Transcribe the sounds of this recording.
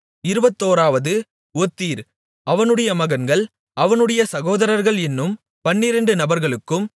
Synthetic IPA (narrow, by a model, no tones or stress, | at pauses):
ɪɾɯbɐt̪ːoːɾaːʋɐðɯ | ɔt̪ːiːɾ | ɐʋɐnɯɽɐjɐmɐɣɐnɡɐɭ | ʔɐʋɐnɯɽɐjɐsɐɣoːðɐɾɐɾɣɐɭɛnːɯm | pɐnːɪɾɐɳɖɯnɐbɐɾɣɐɭɯkːɯm